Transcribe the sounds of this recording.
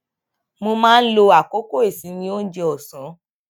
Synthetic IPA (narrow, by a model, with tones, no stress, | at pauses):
mo˧mãː˦lo˧a˨ko˦ko˦e˦˨sĩ˨˦nĩ˧o˦n̩˦d͡ʒe˧ɔ˨sã˨˦